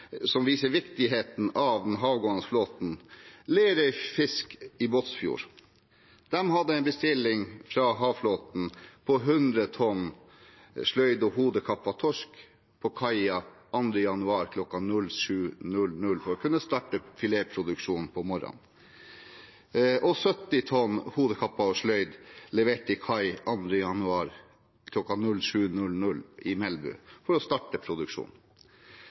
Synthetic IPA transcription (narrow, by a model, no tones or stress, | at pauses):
sɔmʋiːsəɾʋɪkt̪ɪɦeːt̪n̩ɑʋd̪ɛnɦɑːʋɡoːənəfloːt̪n̩leːɾœʏfɪskɪboːt̪sfjṵːɾ | d̪̥ɛmɦɑd̪ːəɛɪnbəst̪ɪlːɪŋfɾɑɦɑːʋfloːt̪n̩pʰɔɦʉnd̪ɾət̪ʰɔnː | ʂlœʏd̪ɔɦuːd̪əkʰɑpːɑt̪ʰɔʂk | pʰɔkʰɑɪɑʔɑnd̪ɾəjɑnʉɑːɾkʰlɔkːɑnʉlʃʉːnʉlnʉlfɔɾɔkʰʉnːəst̪ɑːʈəfɪlepʰɾʊd̪ʉkʂuːnnpʰɔmɔɾɑ̰n | ʔɔsœt̪ːɪt̪ʰɔnːhuːd̪əkʰɑpːɑɔʂlœʏd̪lɛʋeːʈɪkʰɑɪʔɑnd̪ɾəjɑnʉɑːɾ | kʰlɔkːɑnʉlʂʉːnʉlnʉlɪmɛlbʉ̰fɔɾɔst̪ɑːʈəpʰɾʊd̪ʉkʂṵːn